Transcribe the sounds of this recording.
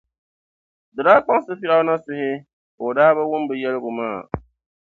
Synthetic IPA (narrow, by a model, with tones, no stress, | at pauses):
dɨ˨daː˦k͡pa˦n˦sɨ˦fi˦ɾa˦ʊ˦na˦sɪ˦hɪ˦ | ʊ˨daː˦ba˦wʊ˦m˦bɨ˨jɛ˦lɪ˦ɡʊ˨maː˦˨